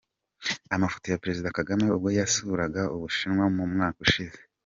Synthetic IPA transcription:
amafo̥tojapeɾe̞zidakaɡame̞ub̚ɡo̞jasuɾaɡauβuʃinŋwamumŋaːkuʃize

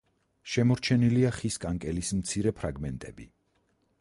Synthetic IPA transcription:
ʃɛmɔɾt͡ʃʰɛniliaχiskʼaŋkʼɛlismt̪sʰiɾɛpʰɾaɡmɛnt̪ʼɛbi

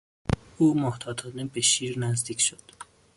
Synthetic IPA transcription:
ʔuːmoht̪ʰɒːd̪ʰɒːnebeʃiːɾnæzd̪iːcʰʃod̪̥

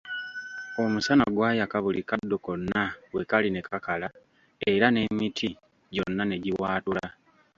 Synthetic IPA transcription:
o̞musanaɡwaːjakaβulikadːuko̞nːawekalinekakala | e̞ɾane̞mitʰi | ɟo̞nːane̞ɟiwaːtula

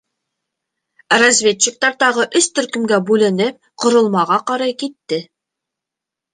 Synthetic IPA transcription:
rɐzʲvʲett͡ɕːɪk̚t̪ɑɾt̪ɑʁɤʔɵst̪ɵ̆ɾkɵ̆mɡæbʉlɘ̆nɘp̚ | qŏɾŏlˠmɑʁɑqɑɾɑjkit̪ːɘ

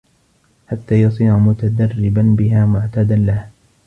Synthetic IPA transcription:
ħat̪ːaːjɑsˤiːʕamʊt̪ad̪arːɪbanbɪɦaːmʊʕt̪aːd̪anlah

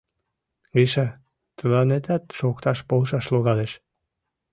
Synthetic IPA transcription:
ɣiʃa | t̪əlɑnet̪æt̪ʃokt̪ɑʃpolʃɑʃloɣɑleʃ

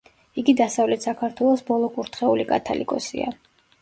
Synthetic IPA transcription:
iɡid̪asavlɛt̪ʰsakʰaɾt̪ʰwɛlˠɔsbɔlˠɔkʼuɾt̪ʰχɛulikʼa̰t̪ʰa̰lḭkʼɔ̰sḭa̰

